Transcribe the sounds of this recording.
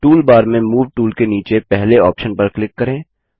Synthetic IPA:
ʈuːlbaːɾmẽmuːʋʈuːlkeniːt͡ʃepɛɦleɔːpʃənpɐɾklɪkːɐɾẽː

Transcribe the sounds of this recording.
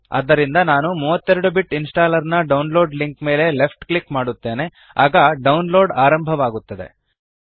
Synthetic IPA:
ɐ̰d̪ːɐɾind̪ɐnaːnumuːʋɐt̪ːeɾɐɽubiʈinsʈaːlɐɾnɐɖɐwnlo̞ːɖliŋkme̞ːle̞le̞pʰʈklikmaːɽut̪ːe̞ːne̞ | a̰ːɡɐɖɐwnlo̞ːɖaːɾɐmbʱɐʋaːɡut̪ːɐd̪e̞̰

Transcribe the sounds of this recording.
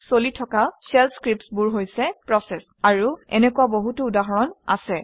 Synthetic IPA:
solitʰɔkasɛlskɹip̚sbuɹɦojsɛpɹɔsɛs | aɹuɛ̰nɛkuwaboɦutʊːdaɦɔɹɔna̰sɛ

